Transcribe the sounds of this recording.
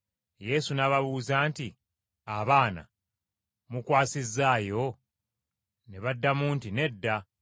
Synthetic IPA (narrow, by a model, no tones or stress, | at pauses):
je̞ːsunaːβaβuːzaːnti | aβaːna̰ | mukwaːsizːaːjo̞ | neβadːamuːntine̞dːa